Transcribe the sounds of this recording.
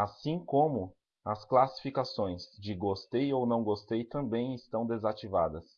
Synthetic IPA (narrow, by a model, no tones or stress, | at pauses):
asĩkõmʊ | ɐsklasi̥fikasõj̃zd͡ʒɪɡost̪ejownɐ̃w̃ɡost̪ejt̪ɐ̃mbẽj̃ɪst̪ɐ̃w̃d̪ezat͡ʃiva̰d̪ɐs